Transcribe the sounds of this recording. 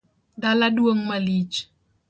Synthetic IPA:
daladwəŋmalit͡ʃ

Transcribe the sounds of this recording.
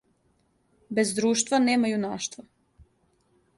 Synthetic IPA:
be̞zd̪ɾuːʃt̪vaneːmajunaːʃt̪va

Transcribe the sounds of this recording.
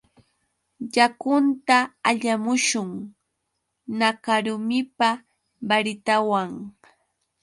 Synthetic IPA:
ʎakʊnt̪aaʎamʊʃʊŋ | nakaɾʊmɪpa | baɾɪt̪awaŋ

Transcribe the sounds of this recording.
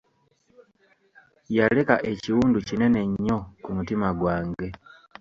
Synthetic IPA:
jale̞kaʔe̞ciwuːnducine̞ne̞ɲːo̞kumutimaɡwaːŋɡe̞

